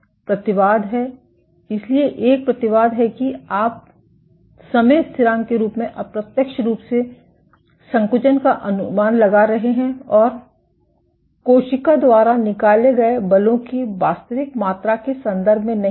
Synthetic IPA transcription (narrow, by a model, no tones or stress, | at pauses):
pɾɐt̪ɪʋaːd̪ɦɛː | ɪslieʔeːk̚pɾɐt̪ɪʋaːd̪ɦɛkiaːp̚ | sɐmeːt̪sɪɾãːŋkeɾuːpmẽʔɐpɾɐt̪jəkʃɾuːpse | sɐ̃ŋkʊd͡ʒənkaʔɐnʊmaːnlɐɡaɾɐɦeɦɛ̃ɔːɾ | koːʃɪkad̪waːɾanɪkaːleɡɐebɐlõkiʋaːst̪əʋɪkmaːt̪ɾakesɐ̃nd̪əɾbʱmẽnɐ